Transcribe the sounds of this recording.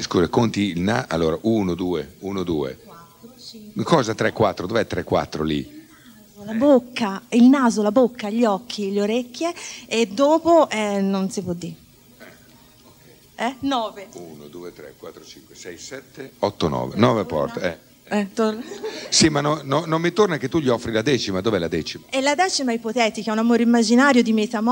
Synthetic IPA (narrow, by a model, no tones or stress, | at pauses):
skuːzakont̪iilnaʔa̰lːoːɾaʔuːnod̪uːeuːnod̪ṵːḛ | kɔːzat̪ɾɛkːwat̪ːɾod̪ovɛt̪ːɾɛkːwa̰t̪ːɾo̰lḭ | zolabokːailnaːzolabokːaʎɔk̟ːiʎoɾekːjeːd̪ːoːpoʔɛnonsipwɔd̪ːiɾ | ɛ | okɛ | ɛnɔːveunod̪uːet̪ɾḛkwat̪ːɾot͡ʃiŋkwesɛjsɛt̪ːeɔt̪ːonɔ̰ːvḛnɔːvepɔ̰rt̪ɛ | ɛt̪osimːanːononːomːit̪ornak̟et̪ːuʎiɔfːɾilad̪ɛːt͡ʃimad̪oːveɛlad̪ɛːt͡ʃimaɛlad̪ɛːt͡ʃimaipot̪ɛːt̪ikɛunamoːɾeimːad͡ʒinaːɾjod̪imet̪am